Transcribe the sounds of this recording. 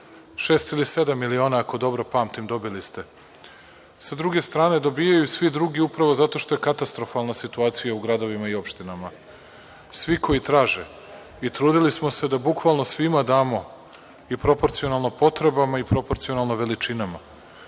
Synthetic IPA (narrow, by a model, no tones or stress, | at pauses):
ʃe̞ːst̪ilise̞d̪amːilio̞ːnaːko̞d̪o̞bɾo̞paːmt̪imd̪o̞bilist̪e̞ | sad̪ɾuɡe̞st̪ɾaːne̞d̪o̞biːjajusʋid̪ɾuɡiupɾaʋo̞zat̪o̞ʃt̪o̞je̞kat̪ast̪ɾo̞falˠnasit̪uaːt̪sijauɡɾad̪o̞ʋimaio̞pʃt̪inama | sʋiko̞jit̪ɾaːʒe̞ | it̪ɾuːd̪ilismo̞se̞d̪abukʋalˠnosʋimad̪aːmo̞ | ipɾo̞po̞ɾt̪sionalˠnopo̞t̪ɾe̞bamaipɾo̞po̞ɾt̪sio̞nalˠnoʋe̞lit͡ʃinama̰